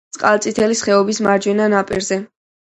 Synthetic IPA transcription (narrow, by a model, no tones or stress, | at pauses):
t̪sʼqʼalˠt̪sʼit̪ʰɛlisχɛɔbismaɾd͡ʒwɛnanapʼḭɾzɛ